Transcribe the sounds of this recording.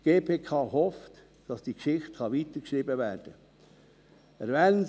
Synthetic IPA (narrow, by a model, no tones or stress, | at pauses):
ɡ̥eːpʰeːkʰɑhɔft | d̥ɑsd̥ikʃɪχtxɑʋiːt̪əɾkʃɾiːbəvæːɾd̥ə | əɾvɛn